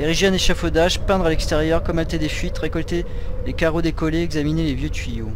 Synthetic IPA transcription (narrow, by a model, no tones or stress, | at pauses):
eʁiʒeɛ̃neʃafod̪aʒpɛ̃d̪ʁalɛkst̪eʁjœʁkɔmɛlt̪ɛd̪efɥit̪ʁekɔlt̪e | lekaʁod̪ekɔleɛɡzaminelevjøt̪ɥijo